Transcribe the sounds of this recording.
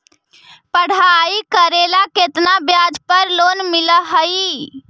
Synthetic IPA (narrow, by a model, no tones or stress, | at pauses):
pəɽ̤aikəɾelaket̪nabjad͡ʒpəɾlonmiləɦəj